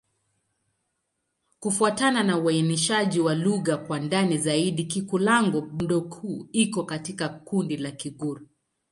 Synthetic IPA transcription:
kufuatananauainiʃaʄiwaluɣakwandanizaiɗikikulaŋɡɔm̩ɗɔkʰuːikɔkatikakundilakiɡuɾu

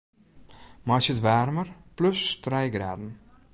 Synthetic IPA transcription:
masətʋaːrmərplɵstrɛjɡra̰ːdn̩

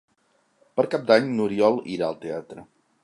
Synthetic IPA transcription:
pəɾkap̚d̪aɲnuɾiɔlˠiɾaəlˠt̪eat̪ɾə

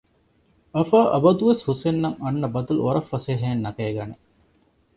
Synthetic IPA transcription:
ɐfaːʔɐ̰bɐd̪uʋeshusenːɐŋɐnːɐbɐd̪ulṵoɾɐfːɐseːɦeːnːɐkeːɡɐne

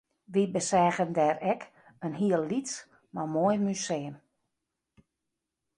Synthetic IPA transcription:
ʋibəsɛːɣəndɛːɾɛk | ənɦiəlˠlits | mamojmyseːəm

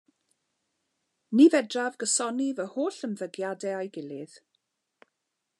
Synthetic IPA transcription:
nivɛdravɡəsɔnivəhoːɬənðəɡjadɛajɡɪlɪð̥

